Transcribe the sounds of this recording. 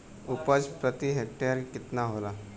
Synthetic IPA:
ʊpəd͡ʒpɾət̪iɦek̚ʈeɾkɪt̪naɦola

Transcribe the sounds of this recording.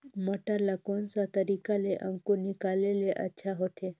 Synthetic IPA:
məʈaɾlakonsat̪əɾikaleʔə̃ŋkonɪkaːleleʔɐ̰tːʃʰaɦot̪ʰe

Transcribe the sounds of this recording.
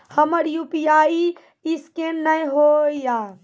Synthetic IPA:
həməɾjupijai | iskennəjɦojja

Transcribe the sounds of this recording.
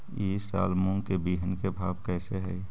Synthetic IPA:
iːsa̰ːlmũŋɡkebiːɦənkebʱaːbkɛːseɦɛi

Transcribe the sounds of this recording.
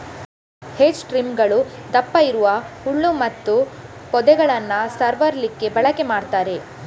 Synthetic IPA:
hed͡ʒʈɾimɡɐɭud̪ɐpːɐiɾuʋɐhuɭːumɐt̪ːupɔd̪ɛɡɐɭɐnːɐsɐɾʋɐɾlikːe̞bɐɭɐkemaːɽt̪aːɾe̞

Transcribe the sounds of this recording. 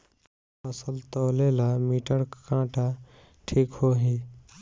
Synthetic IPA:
əsəlt̪oːleːlamiːʈəɽkãːʈa | ʈʰiːkhoːɦiː

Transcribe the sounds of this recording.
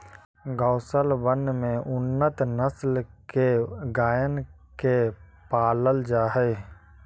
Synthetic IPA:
ɡəːsəlbənmẽʔʊnːət̪nəslkeɡaːjən | kepaːləld͡ʒaːɦɛ

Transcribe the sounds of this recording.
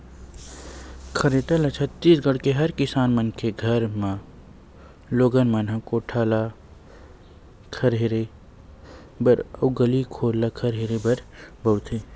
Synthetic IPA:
kʰɐɾeʈəlɐt͡ʃʰət̪ːiːsɡəɽkeɦɐɾkɪsaːnmənkʰeɡʱɐɾmã | loːɡənmənɦãkoʈʰaːla | kʰɐɾɦeɾe | bəɾɐʊɡəlikʰoːɾlakʰɐɾɦeɾebɐɾbəwt̪ʰeː

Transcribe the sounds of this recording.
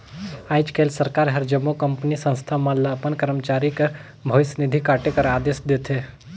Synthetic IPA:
aːɪt͡ʃkeːlsəɾkaːɾɦɐɾd͡ʒəmːokɐmpnisə̃nst̪ʰamãlapənkəɾəmt͡ʃaːɾikəɾ | bʱɐʋɪsnɪd̪ʱikaːʈekɐɾaːd̪eːsd̪eːt̪ʰe

